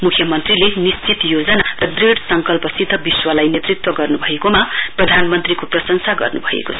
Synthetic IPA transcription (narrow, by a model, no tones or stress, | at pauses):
mukʰjʌmʌnt̪rilenist͡sit̪jod͡zʌnarʌd̪riɽsʌŋkʌlpʌsid̪ʱːʌbiswʌlajnet̪rit̪wʌɡʌrnubʱʌekomaprʌd̪ʱanmʌnt̪rikoprʌsʌŋsaɡʌ̰rnubʱʌḛkot͡sʰʌ̥